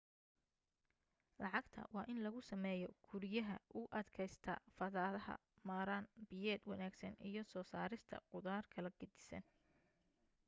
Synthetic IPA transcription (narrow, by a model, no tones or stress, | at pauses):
lɑʕɑɡt̪ʰɐ̰wɑːʔɪnlɐɣʊsɐmɛːjɔɡ̥ʰʊɾjɐɦɐ̰ʔʊʔɐd̪kʰɛjst̪ʰɐ̰fɐðaːðɐɦɐ̰ | maːɾaːnbɪjɛːd̪wɑnaːɡsɐnijɞsɔːsaːɾɪst̪ʰɐ̰qʊðaːrkʰɐlɐɡɐd̪ɪ̥sɐ̰n